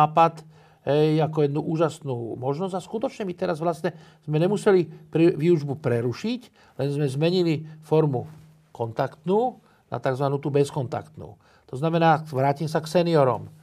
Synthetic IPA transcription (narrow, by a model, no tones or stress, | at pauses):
aːpat̪ | ɦɛjakɔjɛd̪nuʔuːʒasnuːmɔʒnɔzɟaskut̪ɔt͡ʃɲɛmit̪ɛɾazʋlast̪ɲɛz̥mɛɲɛmusɛlipɾiʋiuʒbupɾɛɾuʃic | lɛnzmɛzmɛɲilifɔɾmu | kɔnt̪akt̪nuː | na̰t̪aɡzʋanuːt̪ubɛskɔnt̪a̰kt̪nṵː | t̪ɔznamɛnaːʋɾaːcimsaksɛniɔɾɔ̰m